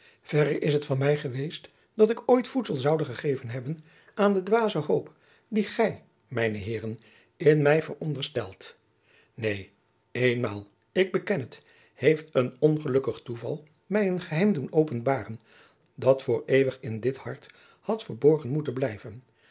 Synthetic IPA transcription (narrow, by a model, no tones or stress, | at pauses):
v̥ɛɾəɹʔɪsɦətfɑnmɛjχəʋejst | d̥ɑtɪkojtfutsəlˠzɑwdəχəχejvənɦɛbən | ʔaːndədʋaːzəɦowp | diχɛj | mɛjnəɦɪːrən | ɪnmɛjvə̰ɹɔndəɹstɛ̰lˠt | nej | ejnma̰ːlˠ | ɪɡ̚bəkɛnət | hejftənɔnχəlɵkəχtuvɑ̰lˠ | mɛjənχəɦɛjmdunowpənbaːrən | dɑtfʊːɹejʋəχɪndɪthɑɹt | hɑtfəɹbɔɹχənmutənblɛjvən